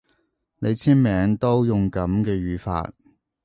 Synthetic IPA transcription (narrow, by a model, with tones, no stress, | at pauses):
ne˨˧jt͡sʰiː˥nmɛː˨˧˥ŋt̪o˥wjʊ˨ŋkɐ˨˥mkɛː˧ɥyː˨˧fa̰ː˧t̚